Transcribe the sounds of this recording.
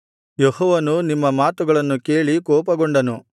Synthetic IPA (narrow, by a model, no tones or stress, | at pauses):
jehɔːʋɐnunimːɐmaːt̪uɡɐɭɐnːuke̞ːɭikɔːpɐɡoɳɖɐnu